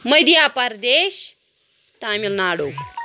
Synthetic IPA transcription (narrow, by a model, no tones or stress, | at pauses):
məjd̪japaɾd̪eɕ | t̪amilnaɽo